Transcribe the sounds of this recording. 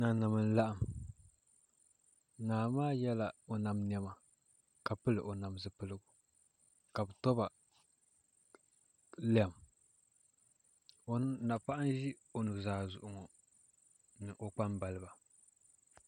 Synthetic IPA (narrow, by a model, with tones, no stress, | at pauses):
na˨na˨mɨ˦n˦la˦ʔa˨m | naː˨maː˦jɛ˦la˨o˨na˨mnɛ˦ma˨ | ka˨pɨ˦lɨ̰˨ʔo˨na˨msɨ˦pɨ˦lɨ˦ɡu˨ | ka˨bɨ˨tɔ˦ba˨ | lɛ˦˨m | o˦n˦na˨pa˦ʔa˦n˦ʒi˦o˨nu˨zaː˨zʊ˨ʔʊ˨ŋɔ˨ | nɨ˨ʔo˨k͡pa˦mba˨lɨ˦ba˨